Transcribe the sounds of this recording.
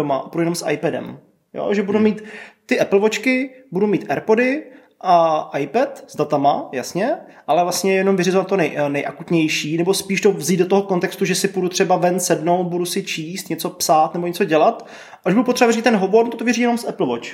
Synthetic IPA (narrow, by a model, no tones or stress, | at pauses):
omaʔbudujɛnomsʔa̰jpɛdɛ̰m | jo̰ʒɛbudumiːt̪ːɪʔɛpl̩vot͡ʃkɪbudumiːt̪ʔɛɾpodɪ | ʔaʔajpɛt̪z̥dat̪amajasɲɛʔalɛvlasɲɛjɛno̞mvɪrɪzovat̪t̪ːonɛjnɛjʔakut̪ɲɛjʃiːnɛbospiːʃd̪ovzid̪dot̪oɦokont̪ɛkst̪uʒɛsɪpudut̪r̝̥ɛbavɛnsɛdno̞w̪̚budusɪt͡ʃiːst̪ɲɛt͡so̞psaːt̪nɛbo̞ɲɛt͡soɟɛlat̪ | aʔaʒbuɾdupot̪rɛbavɪɾit̪t̪ɛnɦoboɾnt̪ot̪ovjɛriːjɛnomsʔɛpl̩vot͡ʃ